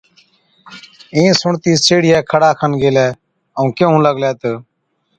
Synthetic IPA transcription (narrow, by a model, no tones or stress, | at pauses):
ẽːsʊɳt̪iːseːɽɪjɛːkʰəɽaːkʰənɡeːlɛː | əũːkeɦũːləɡlɛːt̪ə